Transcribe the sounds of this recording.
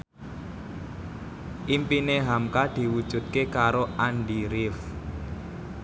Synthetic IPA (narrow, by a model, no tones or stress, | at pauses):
ʔimpineɦamkad̪̥i̤wud̥ʒ̥ṳt̪̚kekaɾoʔanɖiɾɪf